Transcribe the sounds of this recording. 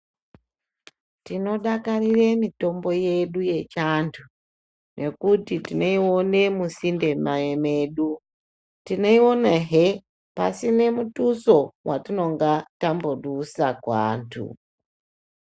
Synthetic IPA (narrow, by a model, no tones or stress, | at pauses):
tino̞ɗakaɾiɾemito̞mbo̞jeɗujet͡ʃantʰu | nʔekutitineiwonemusinde̞maemeɗu | tineiwonaɦe | pa̰sine̞mutusowʔatino̞ŋɡatamboɗusakwaːntʰṵ